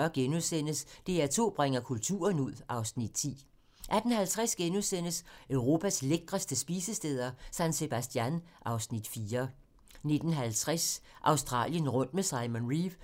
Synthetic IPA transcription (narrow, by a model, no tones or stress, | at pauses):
ɐɡ̥enuðˠsen̰əsd̥e̝æt͡sʰo̝̰ːb̥ʁeŋ̰ɐkʰult͡sʰṵːɐnuð̞̰ˠʔɑ̈ʊsnid̥t͡sʰḭː | ʔæd̥n̩hælt͡sʰʁasɡ̥enuðˠsen̰əsøʊʁo̝ːpʰæsleɡ̥ʁɐsd̥əsb̥iːsəsd̥eːð̞ˠɐsænse̝b̥æsd̥jænʔɑ̈ʊsnid̥fiːɐ | ne̝d̥n̩ɦælt͡sʰʁasʔɑ̈ʊsd̥ʁɑ̰̈ːljənʁɔ̽n̰d̥mesɑ̈ɪmonʁiʋ